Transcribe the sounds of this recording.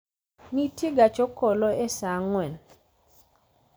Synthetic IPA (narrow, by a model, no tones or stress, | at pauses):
nitjeɡat͡ʃɔkɔlɔesaŋwɛn